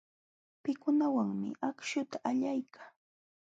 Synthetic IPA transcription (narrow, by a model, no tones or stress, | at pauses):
pɪkʊnawaŋmɪ̰akʃʊt̪aʔaʎajkʰḁː